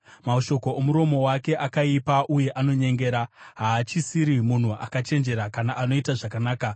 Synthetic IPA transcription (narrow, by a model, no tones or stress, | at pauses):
maoʃo̞ko̞omuɾo̞mo̞wake̞ʔakaipaʔuje̞ʔano̞ɲe̞ŋɡe̞ːɾaɦaːt͡ʃisiɾimun̤ua̰kat͡ʃe̞nd͡ʒe̞ɾakanaʔano̞itaʐakanaːka